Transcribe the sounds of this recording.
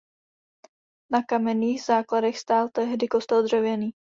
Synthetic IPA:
nakamɛniːɣzaːkladɛxst̪aːlt̪ɛɦdɪkost̪ɛld̪r̝ɛvjɛniː

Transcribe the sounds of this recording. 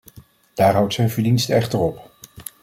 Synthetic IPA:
d̥aːɹɦʌwtsɛjnvəɹdinstɛχtəɹɔp

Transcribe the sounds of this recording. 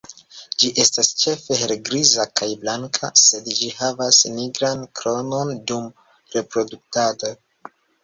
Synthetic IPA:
d͡ʒiʔe̞stast͡ʃe̞fe̞ɦeɾɡɾizakajblaŋkʰa̰se̞dd͡ʒihavasniɡɾankɾo̞no̞ndum | ɾe̞pɾo̞duk̚tado

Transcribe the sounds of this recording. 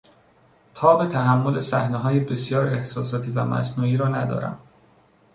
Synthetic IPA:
t̪ʰɒːbet̪ʰæɦæmːo̞le̞sæhneɦɒːjebe̞sjɒːɾe̞hsɒːsɒːt̪ʰiːvæmæ̰snuːiːɾɒːnæd̪ɒ̰ːɾæ̰m

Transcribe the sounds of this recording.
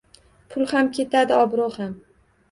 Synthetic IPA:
pʰʊlˠhamkʲʰe̞t̪ʰad̪ɪɒbɾoham

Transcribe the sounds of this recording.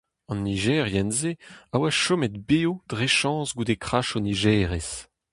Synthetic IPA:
ɑ̃nːiʒɛːʁjɛnzeawaʃɔmɛt̪beod̪̥ʁeʃɑ̃zɡud̪ekχaʃoniʒɛːʁes

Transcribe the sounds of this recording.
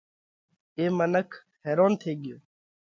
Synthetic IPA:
eːmənəkʰ | ɦeːɾoːnt̪ʰeːɠɪjoː

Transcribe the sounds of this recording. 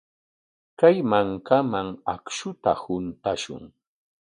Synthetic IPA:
kajmaŋkamaŋakʃʊt̪ahʊnt̪aʃʊ̰ŋ

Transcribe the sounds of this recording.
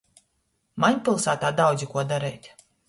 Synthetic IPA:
maɲʲpʲilˠsaːt̪aːd̪awd̪zikuɔd̪aɾɛːt̪ʲ

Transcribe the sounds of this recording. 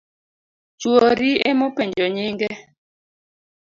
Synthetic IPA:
t͡ʃwoɾiemopɛɲd͡ʒɔɲiŋɡɛ

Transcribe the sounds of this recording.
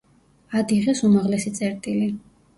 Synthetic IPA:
ad̪iʁɛsumaʁlɛsit̪sʼɛɾt̪ʼili

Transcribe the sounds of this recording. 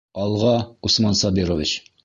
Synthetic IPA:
ɒlˠʁɑusmɑnsɒbiɾovit͡ɕ

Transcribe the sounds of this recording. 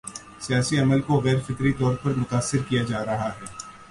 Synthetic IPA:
sijaːsiɐməlkoɣɛːɾfɪkɾit̪ɔːɾpɐɾmʊt̪aːsːɪɾkijad͡ʒaːɾɐɦaɦɛː

